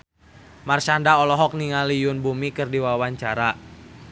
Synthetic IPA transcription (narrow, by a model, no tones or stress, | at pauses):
marsandaɔlɔɦɔk̚niŋalijʊnbumikɨrdiwawaɲt͡ʃaɾa